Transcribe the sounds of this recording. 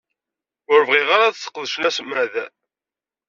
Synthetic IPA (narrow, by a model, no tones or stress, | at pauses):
ʊɾvʁiʁaɾaðθːə̥qːðəʃnæsmæðæ